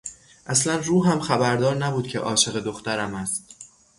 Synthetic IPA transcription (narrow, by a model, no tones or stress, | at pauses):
ʔæslænruːɦæmxæbæɾd̪ɒːɾnæbuːd̪̚cʰḛʔɒ̰ːʃe̞ɣe̞d̪oxt̪æɾæmæst̪